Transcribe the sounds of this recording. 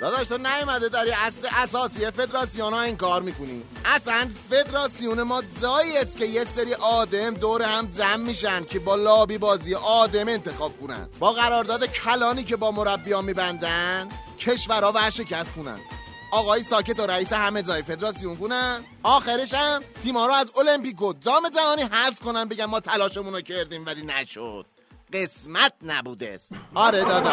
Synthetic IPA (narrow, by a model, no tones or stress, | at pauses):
j̪ɒːd̪ɒːʃt̪ʰonæjomæd̪ed̪æɾiæsleʔæsɒːsijefe̞d̪ɾɒːsijonɒiŋkɒːɾmiːkonḭːm | ʔæsænfe̞d̪ɾɒːsijonemɒːd͡ʒɒːiest̪̚cʲejeseɾiːʔɒːd̪emd̪oːɾehæmd͡ʒæmːiːʃænd̪̚cʰebɒːlɒːbiːbɒːziːjeʔɒːd̪e̞me̞nt̪ʰe̞xɒːb̥̚kʰonæ̰nbɒːɣæɾɒːɾd̪ɒːd̪ecʰælɒːniːce̞bɒːmo̞ɾæbːijɒːmːiːbænd̪ænn | cʰe̞ʃvæɾhɒːvæɾʃe̞cʰæst̪xunæ̰nd̪ | ʔɒːɣɒːjisɒːce̞t̪oɾæiːseɦæmed͡ʒɒːjefe̞d̪ɾɒːsijunkunæn | ʔɒːxeɾeʃæmt̪iːmɒːɾoæzo̞lempiːkod͡ʒɒːme̞zæmɒːniːɦæzkʰo̞nænbe̞ɟænmɒːt̪ʰælɒːʃemunocʰeɾd̪iːmvæliːnæʃo̰d̪̥̚ | ɢe̞smæt̪̚næ̰buːd̪ḛsɒɾed̪ɒːd̪æ